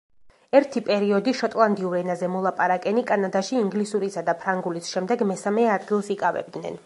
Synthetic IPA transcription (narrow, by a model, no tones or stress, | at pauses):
ɛɾt̪ʰipʼɛɾiɔd̪iʃɔt̪ʼlˠand̪iuɾɛnazɛmɔlˠapʼaɾakʼɛnikʼanad̪aʃiːŋɡlisuɾisad̪apʰɾaŋɡulisʃɛmd̪ɛɡmɛsamɛad̪ɡilˠsikʼavɛ̰b̚d̪nɛ̰n